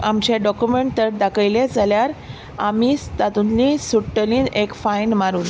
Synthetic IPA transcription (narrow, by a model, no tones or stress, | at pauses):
amt͡ɕaɖɔkjumeɳʈt̪əɾd̪akəjled͡zaljaɾ | amiːt̪at̪unlĩsuʈːəlĩːnekfajnmaɾuːn